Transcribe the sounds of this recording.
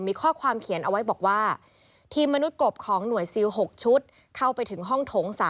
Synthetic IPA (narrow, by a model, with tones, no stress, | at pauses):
miː˧kʰɔː˥˩kʰwaː˧mkʰi˨˩˦nʔa˧wa˦˥jbɔː˨˩k̚waː˥˩ | t̪ʰiː˧mːa˧nu˦˥t̪̚ko˨˩p̚kʰɔː˩˦ŋnu˩˦əjsi˧wɦo˨˩k̚t͡ɕʰu˦˥t̪̚ | kʰa˥˩wpa˧jt̪ʰɯ˩˦ŋɦɔ˥˩ŋt̪ʰoː˩˦ŋsaː˨˦